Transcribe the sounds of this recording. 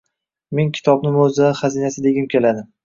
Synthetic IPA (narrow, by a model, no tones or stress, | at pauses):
meŋkʲʰɪ̥t̪ʰɒbnɪmozaχazinasɪd̪e̞ɡʲɪmkʲʰe̞lad̪ɪm